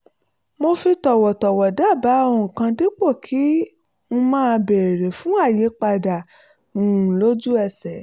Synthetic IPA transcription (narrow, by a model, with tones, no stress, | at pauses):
mo˧fi˧tɔ˨wɔ˨tɔ˨wɔ˨da˦˨ba˨˦ɔ̃˧˨kã˧di˦k͡po˦˨kʰi˨˦ | ñ̩˧mãː˦˧be˨ɾe˨fũ˨˦a˦˨je˨˦k͡pa˧da˨ | ũ˨lo˦d͡ʒu˦ɛ˧sɛ˨